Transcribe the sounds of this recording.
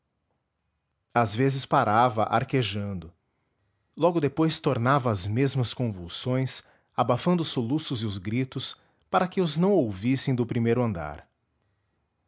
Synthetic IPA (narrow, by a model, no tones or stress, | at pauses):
azvezɪspaɾavɐ̰ʔa̰ɾkeʒɐ̃nd̪ʊ | lɔɡʊd̪epojst̪oɾnavɐːzmezmɐskõvuwsõj̃s | abafɐ̃nd̪ʊsolusʊzɪʊzɡɾit̪ʊs | paɾɐkɪʊznɐ̃w̃owvisẽj̃d̪ʊpɾimejɾʊɐ̃nd̪a̰ɾ